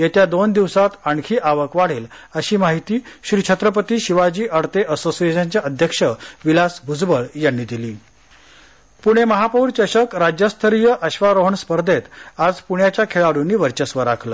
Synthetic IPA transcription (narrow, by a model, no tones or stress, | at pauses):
jet̪jad̪ond̪iʋsat̪aɳkʰiːʔaʋəkʋaɽ̤iːləɕiːmaɦit̪iːɕɾit͡ɕʰət̪ɾəp̬ət̪iːɕiʋad͡ʑiːʔəɽt̪eʔəsosieɕaɲt͡ɕjaʔəd̪ʱjəkʂəʋilasbʱud͡zbəɭjanːiːd̪iliː | puɽ̃eməɦapəuɾt͡ɕəɕəkɾad͡ʑjəst̪ʰəɾijəʔəɕʋaɾoɦəɳspəɾd̪ʱet̪ad͡zpuɳjat͡ɕjakʰeɭaɽunːiːʋəɾt͡ɕəsʋəɾakʰləː